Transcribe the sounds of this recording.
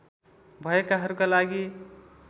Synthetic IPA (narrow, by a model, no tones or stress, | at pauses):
bʱʌekaɦʌɾukalaɡi